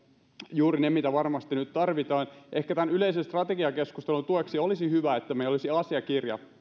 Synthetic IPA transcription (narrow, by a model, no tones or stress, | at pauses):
juːɾinemit̪æʋɑrmɑst̪inyt̪t̪ɑrʋit̪ɑːnʔehkæt̪ænyleisenst̪rɑt̪eɡiɑkeskust̪elunt̪ueksiolisihyʋæet̪ːæmeilolisiɑsiɑkirjɑ̰